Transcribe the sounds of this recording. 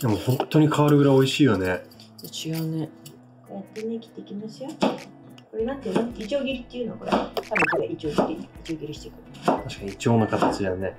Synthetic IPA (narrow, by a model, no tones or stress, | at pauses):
d̪emohõ̞nt̪ːo̞ɲ̟ikʰaβaɾɯ̟ɡɯɾaio̞iɕiːjone̞ | sot͡ɕiɡane | kojat̪ːenekʲi̥t̪ːe̞ikʲimasɨjo | koɾenãt̪ːenãt̪id͡ʑoːɡʲiɾʲit̪ːeiɯ̟noakoɾḛt̪abɯ̟̃ŋkoɾeʔit͡ɕo̞ːɡʲiɾʲiiid͡ʑo̞ːɡʲiɾʲiɕi̥t̪ekɯ̟t̪ʰaɕi̥kaɲ̟iit͡ɕioːnakat̪at͡ɕid̪ane̞